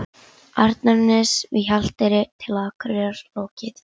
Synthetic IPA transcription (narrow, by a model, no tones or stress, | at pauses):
aɾt̪naɾnɪsvɪçal̥t̪ɪɾɪt̪ʰɪlaðakʰʏɾjaɾloːwcɪθ